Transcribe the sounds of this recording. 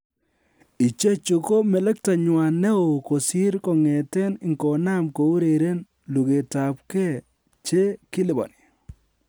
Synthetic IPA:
i˨t͡ʃe˦t͡ʃu˨ko˦mɛ˨lɛ˦k̚ta˨ɲwa˨nɛ˦o˨ko˨sɪ˦ɾkɔ˨ŋɛ˨tɛ˦nɪ˨ŋkɔ˨na˦mko˨u˦ɾe˨ɾe˦n | lu˨ke˨ta˨p̚kɛ˦˨ | t͡ʃe˦kɪ˦lɪ˨bɔ̰˨ni˨

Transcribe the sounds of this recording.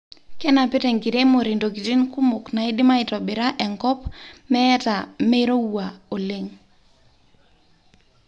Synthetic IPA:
kɛ˦na˨pɪ˦tɛ˨ŋɡi˨ɾe˦mo˨ɾi˨ndo˨ki˨ti˦nku˦mʊ˨kna˨e˦dɪ˦ma˦i˨tɔ˨bɪ˨ɾa˦ʔɛ˨ŋkɔ˦pmɛ˦ɛ˦ta˨me˦ɾo˦u˨a˨o˨le˦ŋ

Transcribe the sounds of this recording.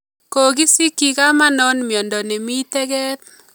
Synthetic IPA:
ko˨ɡi˦si˦ki˨ka˦ma˦nɔ˦nmjɔ˨ndɔ˨nɛ˨mi˦tɛ˦ɡɛ˦t̚

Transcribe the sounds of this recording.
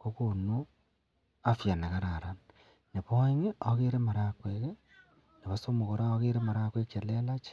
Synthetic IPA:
ko˦konu˦ | afja˨na˨ɣa˦ɾa˨ɾa˨n | ne˨βo˦i˦ŋe˦oɣe˦ɾe˦ma˨ɾa˨kweɣe˦ | ne˨βa˦so˦mo˨ɣo˨ɾa˦o˦ɣe˦ɾe˦ma˨ɾa˦kwe˦ke˨le˦la˦t͡ʃ

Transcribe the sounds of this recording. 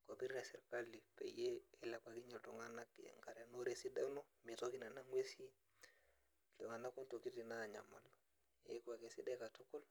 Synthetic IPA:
ko˨bi˦ɾɾa˨sɛ˨ɾka˦li˨pḛ˨jeː˦˨la˨ka˨ki˦ɲa˨lto˨ŋa˦na˦kŋɡa˨ɾe˨no˦ɾe˨si˦dɛ˦no˦mi˨to˦ki˦na˨na˦ŋwe˦si˦˨ | o˨ŋa˨na˦ku˦nto˨ki˦ti˨na˦˨ɲa̰˨ma˨l | ḛ˦ka˨ke˨sḭ˦dɛ˦ka˨to˦ko˦l

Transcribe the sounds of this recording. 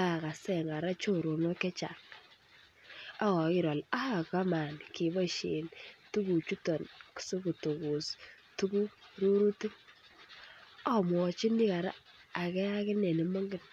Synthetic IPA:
a˦a˨ka˨sɛ˨ŋa˨ɾa˦t͡ʃo˦ɾo˨nɔ˦kɛ˦t͡ʃa̰˨ | a˦kɔ˨kɪ˦ɾɔ˨la˦a˨ka˦ma˨nki˨bɔ˦ʃe˨ntu˦ku˨t͡ʃu˦tɔ˨nku̥˨so˦ku˨to˨ku˨s | tu˦ku˦ɾu˦ɾu˦ti˦ | a˦˨mwɔ˨t͡ʃi˦ni˦ka˨ɾa̰˦ | a˨kɛ˦a˦kɪ˦ne˨ni˨mɔ˦ŋɡɪ˦n

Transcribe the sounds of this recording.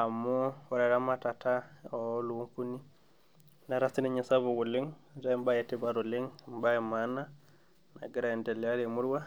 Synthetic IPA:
a˨mɔwa˨ɾa˨ɾa˦matatao˦lu˨wu˦ŋku˦ni˦ | naɾasi˦niɲasaβoɡu˨li˦ŋda˦mbaje˨ti˦baɾo˨li˦ŋmbajemana | na̰˨ɡi˦ɾaɛndɛ˨lalemu˦ɾwa˦

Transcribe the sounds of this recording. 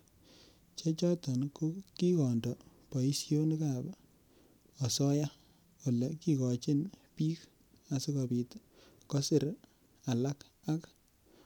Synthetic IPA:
t͡ʃe˦t͡ʃɔ˦tɔ˨nku˦ki˦kɔ˨ndɔ˨pɔ˨i˦sjo˦n˦ka˨b | ɔ˨sɔ˦ja˦ | o˨lɛ˨ki˦kɔ˨t͡ʃɪ˦npiː˦k | a˨sɪ˦kɔ˨pi˨t | kɔ˦sɪ˦ɾ | a˨la˦k | a˦k

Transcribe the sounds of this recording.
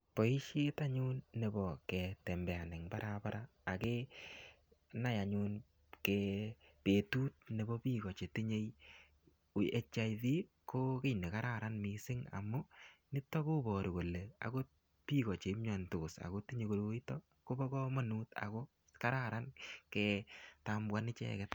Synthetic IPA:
pɔ˨i˦ʃi˦ta˦ɲu˦nːe˨bɔ˨kɛ˨tɛ˨mbɛ˨a˨nɪ˨ŋpa˦ɾa˦pa˦ɾaː˦˨ke˦ | na˦ja˨ɲu˧n | kepe˨tuː˦t̚ne˨bɔ˦piː˦kɔ˨t͡ʃe˨ti˦ɲe˦j | e˦t͡ʃa˦jði˦ | kʰo˦ke˦˨jne˨ka˦ɾa˦ɾa˦nmi˨sɪ˦ŋa̰˨mʊ˦nɪ˦tːɔ˦ko˦bɔ˨ɾo˨ko˨le˨a̰˨ko˦ | pi˦kɔ˨t͡ʃe˨i˦mɲɔ˨ntʊ˨sa̰˨ko˦ti˦ɲe˨ko˨ɾo˦i˦tɔ˦ | ko˦bɔ˦kɔ˦ma˦nuː˦ta̰˨ko˦ | ka˦ɾa˦ɾa˦nkɛ˨tambwa˦nɪ˦t͡ʃɛ̰˦kɛ˨t

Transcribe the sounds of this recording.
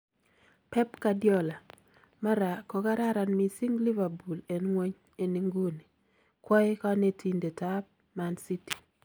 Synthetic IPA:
pɛ˦pka˨djɔ˦la˨ | ma˦ɾa˨kɔ˨ka˦ɾa˦ɾa˨nmi˨si˦ŋli˦va˨bu˨le˨nŋwe˦ɲ | e˨ni˦ŋɡu˦ni˨ | kwɔ˦ɪ˦ka˦ne˨tʰi˨nde˨ta˦b̚ | ma˨nsi˦ti̥˨

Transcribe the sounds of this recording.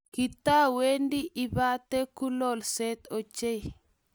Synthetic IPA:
ki˨t̪a˦we˦ndi˦ʔi˦ba˦t̪e˦ku˦lɔ˨lsɛ˦t̪o˨t͡ʃe˦j

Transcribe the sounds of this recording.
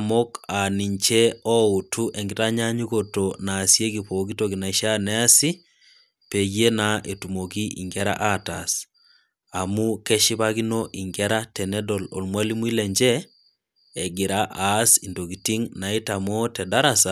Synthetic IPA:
mokani˨ɲt͡ʃɛ˦ɔ˦u˨tʰu˦ʔɛŋɡitaɲa˦ɲuɣotonaːsje˦kipokitoɣina˨iʃa˦nɛa˦si˦ | pe˨ɣe˦na˨ʔe˨tumo˨ki˦ʔḭ˨ŋɡɛɾa̰ʔatas | a˨mu˦kɛ˦ʃi˦βaɣinoʔi˨ŋɡɛɾatɛnɛdolo̰˨lmwali˦mu˦i˦lɛɲd͡ʒɛː˦˨ | ɡi˨ɾaʔasi˨ndo˨ɣi˨ti˦ŋna˨i˦tamo˦tɛda˦ɾasa

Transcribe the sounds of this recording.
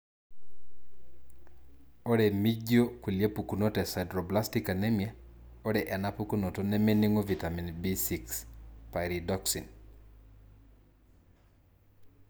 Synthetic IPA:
o˦ɾe˨mi˦d͡ʒjo˦kwi˨lje˦pu˨ku˨no˦tɛ˨sa˨ɪdɾɔ˨bla˦stika˨nɛ˦mjɛ˦ | o˦dɛ˨ʔɛ˨na˦pu˦ku˦no˨to˦nɛ˦me˦ni˦ŋo˦vi˨ta˨mi˨nbi˦si˨kspa˨ɾidɔksi˨n

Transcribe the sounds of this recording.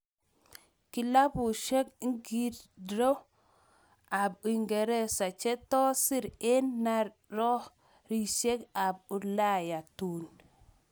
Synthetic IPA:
ki˨la˦bu˨ʃɛ˦kŋɡi˦ɾdɾo˦ | a˨bi˨ŋɡɛ˨ɾɛ˦sa˨t͡ʃɛ˦t̪ɔ˦si˦ɾɛ˦nːa˦ɾ | ɾɔ˦ | ɾi˨ʃe˦ka˨b̚u˨la˦ja˨tu˨n

